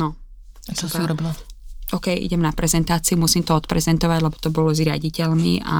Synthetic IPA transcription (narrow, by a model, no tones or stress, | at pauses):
nɔ | ast͡ʃɔsmuɾɔbilaʔɔkɛjʔḭɟɛmnapɾɛzɛnt̪aːt͡siumusiːmt̪ɔɔt̪pɾɛzɛnt̪ɔʋaɟlɛbɔ̥t̪ɔbɔlɔzɾɪa̰ɟicɛʎmḭʔa̰